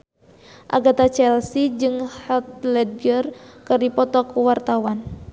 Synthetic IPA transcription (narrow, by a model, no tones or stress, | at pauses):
ʔa̰ɡat̪at͡ʃɛlsid͡ʒɨŋhat̪̚lɛd̪̚ərkɨrdipɔt̪ɔkuwart̪awan